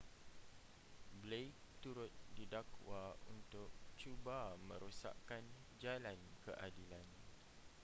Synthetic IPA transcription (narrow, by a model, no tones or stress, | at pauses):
blek̚t̪uɾʊt̪̚didakwaṵnt̪ʊk̚t͡ʃubamə̰̃ɾusa̰ʔkan | d͡ʒalankə̰ʔadilan